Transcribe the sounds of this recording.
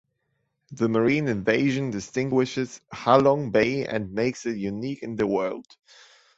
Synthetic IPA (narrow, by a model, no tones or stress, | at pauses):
ðəmə˞ĩːnɨ̃nveɪʒɨ̃ndɨstɪ̃ŋɡwɪʃɪz̥halɔ̃ŋbeɪɨ̰̃nmeɪksɨt̚jʉnikɨ̃nðəwɜ̰˞lˠd̥